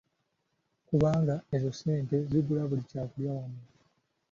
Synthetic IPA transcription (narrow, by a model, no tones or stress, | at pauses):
kuβaːŋɡae̞zose̞ːnte̞ziβulaβulicaːkuljawamu